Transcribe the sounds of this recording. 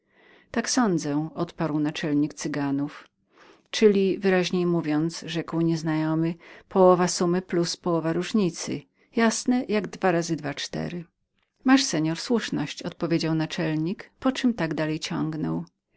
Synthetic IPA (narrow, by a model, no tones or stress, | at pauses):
t̪aksɔnd̪zɛʔɔt̪paɾwnat͡ʂɛlɲikt̪sɘɡanuf | t͡ʂɘlʲivɘɾaʑɲejmuvʲjɔnt̪sʐɛkwɲɛznajɔmɘpɔwɔvasumɘpluspɔwɔvaɾuʐɲit̪sɘ̰ | jasnɛjaɡd̪vaɾazɘd̪vat͡ʂt̪ɛ̰ɾɘ | maʂsɛɲɔɾswuʂnɔɕt͡ɕɔt̪̚pɔvʲed͡ʑawnat͡ʂɛlɲikpɔt͡ʂɘmt̪aɡd̪alɛjt͡ɕɔ̃ŋɡnɔ̰w